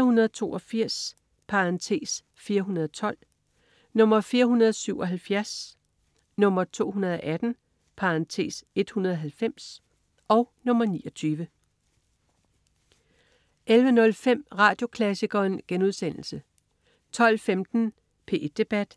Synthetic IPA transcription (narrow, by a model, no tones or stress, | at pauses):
ɐhunɐð̞ˠt͡sʰo̝̰ːʔɒ̽fiɐ̰s | pʰɑ̈ʁɑnt͡sʰe̝̰ːs | fiːɐɦunɐðˠɒt͡sʰɒ̽l̰ | nɔ̽m̰ɐfiːɐɦunɐð̞ˠsyʊ̰ʔɒ̽ɦælfjæɐs | nɔ̽m̰ɐt͡sʰo̝̰ːhunɐð̞ˠɒ̽ʔæd̥n̩ | pʰɑ̈ɑnt͡sʰe̝̰ːse̝d̥hunɐðˠɦælfem̰s | ʔɒ̽ʊnɔ̽mɐniːɒ̽t͡sʰyːʋə | ʔelʋənɔ̽lfem̰ʁɑ̈ːd̥jo̝kʰlæsiɡ̥ɐːnɡ̥enuð̞ˠsen̰l̩sə | t͡sʰɒ̽l̰femd̥n̩ | pʰe̝ʔd̥e̝b̥æd̥